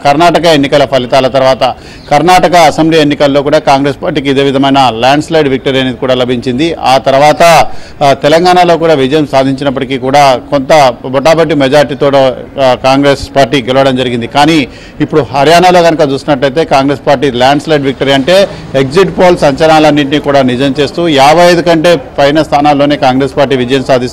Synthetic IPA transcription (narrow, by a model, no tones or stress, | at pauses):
kɐɾnaːʈɐkɐenːikɐlɐpʰɐlit̪aːlɐt̪ɐɾʋaːt̪ɐ | kɐɾnaːʈɐkɐːsembliːenːikɐlːo̞ːkuːɽaːkaːŋɡɾeːspaːɾʈiːkid̪e̞ːʋid̪ʱɐmɐjnɐljaːɳɖslɐjɖʋik̚ʈoɾijɐnikuːɽaːlɐbʱiɲt͡ʃind̪iaːt̪ɐɾɐʋaːt̪ɐt̪ɛlɐŋɡaːɳalo̞ːk̬uːɽaːʋid͡ʒɐjɐmsaːd̪ʱiɲt͡ʃinɐp̬ːɐʈikiːkuːɽaːkont̪ɐbɔʈaːbɐʈːimɛd͡ʒaːɾiʈit̪oːʈokaːŋɡɾeːspaːɾʈiːɡɛlɐʋɐɽɐmd͡ʒɐɾiɡind̪ikaːniː | ipːuɽuɦɐɾjaːnalo̞ːɡɐnɐkat͡ʃuːst̪unɐʈlɐjt̪e̞ːkaːŋɡɾe̞ːspaːɾʈiːljaːɳɖslɐjɖʋik̚ʈoɾiɐɳʈe̞ːekziʈpoːlsɐɲt͡ʃɐlaːlɐnːiʈ̬niːkuːɽaːnid͡ʒɐmt͡ʃe̞ːst̪uːjaːbʱɐjɐd̪ukɐɳʈe̞ːpɐjnɐst̪ʰaːnaːlːo̞ːne̞ːkaːŋɡɾe̞ːspaːɾʈ̬iːʋid͡ʒɐjɐmsaːd̪ʱis